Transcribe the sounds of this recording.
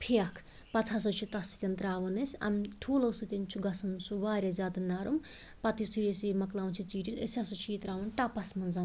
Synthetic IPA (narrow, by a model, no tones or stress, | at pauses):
pʰijɐkʰ | pɐt̪ʰɐsɐt͡ʃʰit̪ɐsi̥t̪ʲɐnt̪ɾaːʋɐnesʲɐ̰mʈʰuːlɐwsut̪ʲent͡ʃʰuɡɐsɐnsuʋaːɾʲazʲaːd̪ɐnaːɾum | pɐt̪isʰujesimɐklaːwnt͡ʃʰit͡ʃiːʈisḛsʲɐsɐt͡ʃʰiːt̪ɾaːʋɐnʈaːpɐsmɐnzan